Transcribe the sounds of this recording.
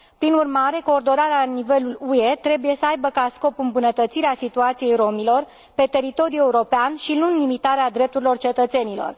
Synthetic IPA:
pɾinurmaɾe̞ko̞ːrd̪o̞naɾeanive̞lulue̞t̪ɾe̞buje̞səajbəkasko̞pɨmbunət̪ət̪siɾeasit̪uat̪sije̞jɾo̞milo̞r | pe̞t̪e̞ɾit̪o̞ɾijue̞uɾo̞peanʃinunːimit̪aɾead̪ɾe̞p̚t̪uɾilo̞rt͡ʃe̞t̪ət̪se̞nilo̞̰r

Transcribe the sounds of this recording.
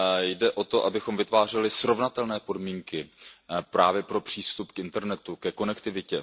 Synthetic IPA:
jdɛʔo̞t̪o̞ʔabɪxo̞mvɪt̪vaːr̝ɛlɪsɾo̞vnat̪ɛlnɛːpo̞dmiːŋkɪpɾʔaːvjɛpɾo̞pr̝̥iːst̪upkʔɪnt̪ɛɾnɛt̪ukɛko̞nɛkt̪ɪvɪcɛ

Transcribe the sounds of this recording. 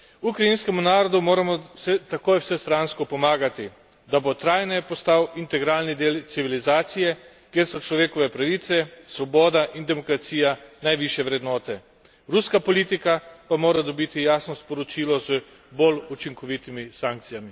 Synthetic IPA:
ukɾainskɛmunaːɾɔd̪umoːɾamɔsɛt̪akoːjwsɛst̪ɾanskɔpɔmaːɡat̪i | d̪abot̪ɾaːjnɛpɔst̪awint̪ɛɡɾaːlnid̪eːlt̪siʋilizaːt̪sijɛ | kjeːɾsɔt͡ʃlɔʋeːkɔʋɛpɾaʋit̪sɛsʋɔbɔːd̪aʔind̪ɛmɔkɾat̪siːjanajʋiʃjɛʋɾɛd̪nɔːt̪ɛ | ɾuskapɔliːt̪ikapamoːɾad̪ɔbit̪ijaːsnɔspɔɾɔt͡ʃiːlɔzə | bolut͡ʃiŋkɔʋit̪imisaŋk̚t̪sijami

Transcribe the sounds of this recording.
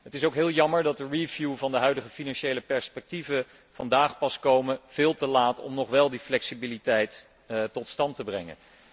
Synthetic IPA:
ɦətɪsowkɦɪːlˠjɑməɹdɑt̚dəɹivjuvɑndəɦœɥdəχəfinɑnʃejləpɛɹspɛk̚tivə | v̥ɑ̰ndaːχpɑskowməv̥ɪːlˠtəlaːtɔ̰mnɔχʋɛlˠdiflɛksibilitɛjt | tɔtstɑntəbrɛŋə̰n

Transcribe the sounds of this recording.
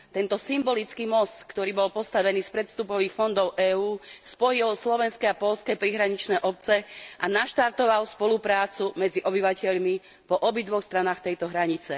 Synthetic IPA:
t̪ɛnt̪ɔsimbɔlit͡skiːmɔskt̪ɔɾiːbɔlpɔst̪aʋɛniːspɾɛt̪st̪upɔʋiːxfɔnd̪ɔʊʔɛːuːspɔjilslɔʋɛnskɛapɔʎskɛpɾiɦɾaɲit͡ʃnɛːʔɔp̚t͡sɛʔanaʃt̪aɾt̪ɔʋalspɔlupɾaːt͡sumɛd͡ziʔɔbiʋacɛʎmi | pɔʔɔbid̪ʋɔxst̪ɾanaːxt̪ɛjt̪ɔɦɾaɲit͡sɛ

